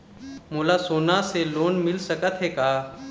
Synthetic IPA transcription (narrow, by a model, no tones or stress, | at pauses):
moːlasoːnaseloːnmɪlsəkət̪ɦekaa